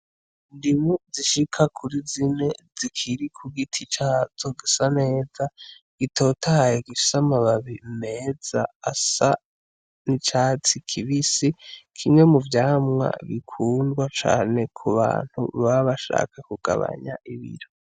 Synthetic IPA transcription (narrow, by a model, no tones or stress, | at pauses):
ndimoziʃikʰakʰuɾizine̞zikʰiɾikʰuɡitʰit͡ʃaːt͡so̞ɡisane̞ːza | ɡ̥itʰo̞ːtaajeɡii̥samaβaβine̞ːz̥a̰asa | nit͡ʃaːt͡sikʰiβisikʰimŋe̞muvjaːmŋa̰βikʰuːndɡwat͡ʃa̰ːne̞kʰuβa̰ːn̥hṵβaβaʃa̰ːkakuɡ̥a̰βa̰ɲa̰ʔiβḭɾo